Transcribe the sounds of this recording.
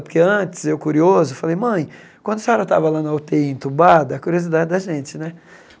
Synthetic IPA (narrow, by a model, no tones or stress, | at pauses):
pʊɾkeɐ̃t͡ʃɪ̥sewkuɾiozʊfalejmɐ̃j̃ | kwɐ̃nd̪ʊsaɾɐt̪a̰vɐlanɐwt̪eẽnt̪ubad̪ɐɐkuɾiozid̪ad͡ʒɪd̪ɐʒẽt͡ʃɪnɛ